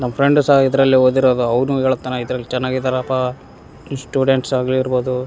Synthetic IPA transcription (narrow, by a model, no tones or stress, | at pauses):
nɐmːɐpʰɾeɳɖsaɦɐid̪ɐɾɐlːiɦoːd̪iɾoːd̪uɐʋnueːɭut̪ːanɐid̪ɐɾɐlːit͡ʃɛnːaːɡid̪ɐɾɐpa | sʈjuːɖeɳʈsaːɡliːɾbo̞ːd̪u